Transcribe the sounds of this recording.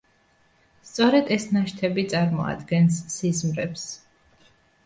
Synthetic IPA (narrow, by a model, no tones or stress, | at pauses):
st̪sʼɔɾɛd̪ɛsnaʃt̪ʰɛbit̪sʼaɾmɔ̰a̰d̪ɡɛnsːizmɾɛps